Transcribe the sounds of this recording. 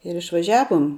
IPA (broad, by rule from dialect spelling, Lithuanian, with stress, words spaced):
ɪr ɪʃʋɐˈʒʲæːʋoːm